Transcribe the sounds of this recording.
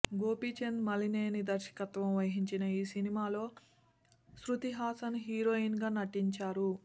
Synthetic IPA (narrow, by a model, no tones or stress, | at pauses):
ɡo̞ːpit͡ʃenmɐlineːnid̪ɐɾʃɐ̥kɐt̪ʋɐmʋɐjɦiɲt͡ʃinɐiːsinimaːlo̞ː | sɾut̪iɦaːsɐnɦiːɾoːinɡaːnɐʈːiɲt͡ʃaːɾu